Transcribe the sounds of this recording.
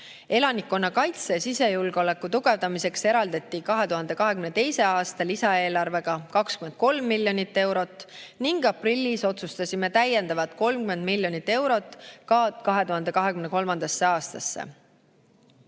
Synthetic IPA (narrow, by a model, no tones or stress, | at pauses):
e̞lɑnʲikːo̞nːɑkɑjt̪sesise̞julɡ̥o̞le̞kːut̪uɡ̥e̞vd̪ɑmise̞kse̞ɾɑld̪ɑt̪ˑːikɑɦe̞t̪uɦɑnd̪̥e̞kɑɦe̞kymnet̪ejse̞ɑːst̪ɑlisɑe̞ːlɑrve̞ɡ̥ɑkɑkskymend̪̥̚ko̞lmːilʲːjo̞nit̪ːe̞wɾo̞t̪ːˑniŋɡ̥ɑprilʲːiso̞t̪sust̪ɑsʲime̞t̪æjːe̞nd̪ɑvɑt̪ko̞lmkyme̞nd̪milʲːjo̞nʲit̪ːe̞wɾo̞t̪ːˑkkɑɦe̞t̪uhɑnd̪e̞kɑɦe̞kymne̞ko̞lmɑnd̪ɑsːe̞ɑːst̪ɑ̰sːḛ